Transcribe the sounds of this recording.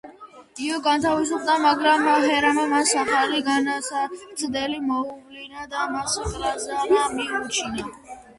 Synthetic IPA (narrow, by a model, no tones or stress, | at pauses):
iɔɡant̪ʰavis̬up̚ʰd̪amaɡɾamaɦɛɾamamansaχaliɡanasat̪sʰd̪ɛlimɔuvlinad̪amasaχlazanamiut͡ʃʰina